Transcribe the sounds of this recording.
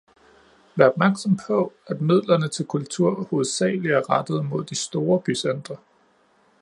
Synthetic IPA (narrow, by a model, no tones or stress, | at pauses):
ʋæːɐɒ̽b̥mæɐɡ̥sɒ̽mpʰɒ̽æd̥mið̞̰ˠlɐnət͡sʰe̝lkʰult͡sʰuɐ̰ho̝ːð̞̩ˠsɛ̰ːliæɐʁɑd̥ð̞̩ˠmo̝ð̞̰ˠd̥isd̥o̝ːɐb̥ysend̥ʁɐ